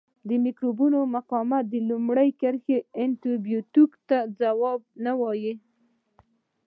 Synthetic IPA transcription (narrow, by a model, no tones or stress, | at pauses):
d̪əmikɾubunomaqɑmat̪̚d̪əlumɽəjkəɾxeɪnt̪ubjut̪ukt̪ad͡zawɑb̚nawɑji